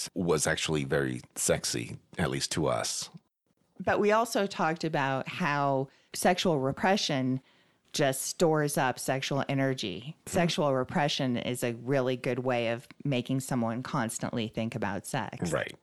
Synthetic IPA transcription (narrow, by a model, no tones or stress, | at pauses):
wʌzæ̰k̚t͡ʃul̩ˠivɛɹḭsɛksḭɨtˡlistʰəʌ̰s | b̥ʌʔ̚wʔiɔlˠsoʊtʰɔk̚tɨbaʊt̚haʊ | sɛkʃul̩ˠɹəpʰɹ̥ɛʃɨ̃n | d͡ʒ̥ʌststɔɹzʌpsɛkʃul̩ˠɛnə˞d͡ʒḭsɛkʃul̩ˠɹəpʰɹ̥ɛʃɨ̃nɪ̰zɨɹɪlˠiɡʊd̚weɪʌvmeɪkɪ̃ŋsʌ̃mwʌ̃nkʰɑ̃nstə̰̃nʔliθɪ̃ŋkɨbaʊtsɛ̰ksɹa̰ɪt̚